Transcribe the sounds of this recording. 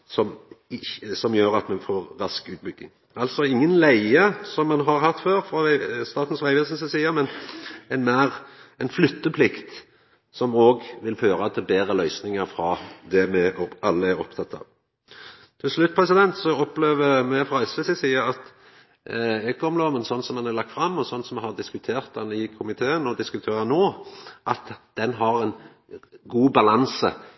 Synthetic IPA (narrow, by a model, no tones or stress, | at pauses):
sɔmɪçəsɔmjøːɾɑt̪mɛfoːɾːɑskʉːt̪̚bʏɡːɪ̰ŋ | ɑlt̪sɔɪŋːənlæɪəsɔmːɑnɦɑɾɦɑt̪ːføːɾfɾɑst̪ɑːt̪n̩sʋæɪʋɛsənsəsiːɑmɛnɛnmæːɾɛɪnflʏt̪ːəpʰlɪkt̪ | sɔmoːɡʋɪlføːɾɑt̪ʰːɛbeːɾəlœʏsnɪŋəɾfɾɑd̪ɛmɛɑlːəæɾɔpt̪ʰɑt̪ːɑ̰ːʋ | t̪ʰɪlslʉt̪̚pʰʁɛsɪd̪ɛnt̪sɔɔpːleːʋəmɛfʁɑɛsʋɛsɪsiːəɾɑt̪ | ɛkɔmlɔːmənsɔnːsɔmɛnæɾlɑk̚t̪fɾɑmːɔsɔnsɔmɛhɑʁd̪ɪskʉt̪ʰeːʁt̪̚d̪ɛnɪkʰʊmɪt̪ʰeːənɔd̪ɪskʉt̪ʰeːɾənoːʔɑt̪d̪̥ɛnɦɑɾɛn | ɡuːbɑlɑnsə